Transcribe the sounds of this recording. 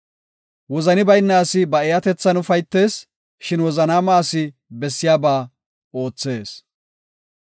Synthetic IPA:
wɔzɐnɪbɐjnːaːsɪbɐɛjɐt̪ɛt͡sːɐnʊfɐjt̪ːe̞ːs | ʃɪnwɔzɐnaːmaːsɪ | bɛsːɪjaːbaː | o̞ːt͡sːe̞ːs

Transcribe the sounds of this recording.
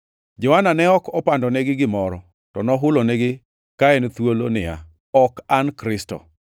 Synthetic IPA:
d͡ʒɔananɛɔkɔpandɔnɛɡɪɡɪmɔɾɔ | tɔnɔɦʊlonɛɡɪ | kaɛnt̪wolonɪa̰ | ɔkankɾɪstɔ̰

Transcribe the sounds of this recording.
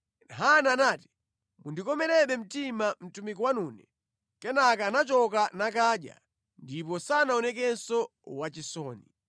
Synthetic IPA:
nɦananaːti̥ | mundikɔmɛɾɛɓɛm̩timam̩tumikɔwanuːnɛ | kɛnakanat͡ʃɔk̬anak̬aːɗja̰ | ndip̬ɔsanaɔnɛk̬ɛnsɔ | wat͡ʃisɔːni

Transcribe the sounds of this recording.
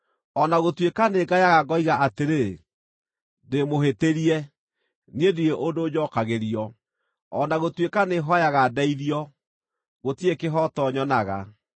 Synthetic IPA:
ɔnaɣotwekaneɡajaɣaɡɔiɣaʔateɾe | demoɦeteɾiɛ | niedieʔodoːd͡ʒɔkaɣeɾiɔ | ɔnaɣotwekaneɦɔjaɣadaiðiɔ | ɣotiekeɦɔtɔɲɔnaɣa̰

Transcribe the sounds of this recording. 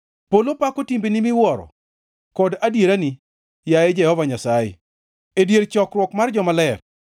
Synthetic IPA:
polopakotimbenimɪwɔɾɔ̰ | kɔdadjeɾani | jajɛd͡ʒɛhɔvaɲasajḛ | edjeɾt͡ʃɔkrwɔkmard͡ʒɔmalɛr

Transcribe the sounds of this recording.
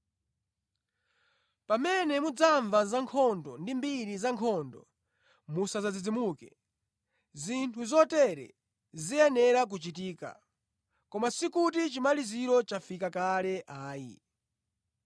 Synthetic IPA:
pamɛnɛmud͡zaɱvazaŋkʰɔndɔndimbiɾizaŋkʰɔndɔ̰ | musazad͡zid͡zimukɛ | zintʰuzɔtɛɾɛ̰ | ziɛnɛɾak̬ut͡ʃitiːka̰ | kɔmasikut̬it͡ʃimaliziɾɔt͡ʃafikakalɛʔaːjḭ

